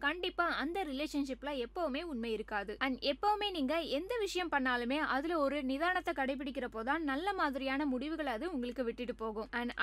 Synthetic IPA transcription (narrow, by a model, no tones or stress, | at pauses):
kɐɳɖɪpːaːɐnd̪ɐɾɪleːʂɐnʂɪpːlɐɛpːɐʋɯmeːʊnmɐjɪɾɯkːaːðɯʔɐnɛpːɐʋɯmeːniːŋɡɐɛnd̪ɐʋɪʂɐjɐmpɐɳːaːlɯmeːʔɐðɪlɔɾɯnɪðaːɾɐɳɐt̪ːɐkɐɽɐɪp̬ːɪɽɪk̬ʲːɪɾɐpoːðaːnnɐlːɐmaːðɪɾɪjaːnɐmʊɽɪʋɯɣɐɭɐðɯʊŋɡɐɭɯkːɯʋɪʈːɪʈːɯpoːɣɯmɐn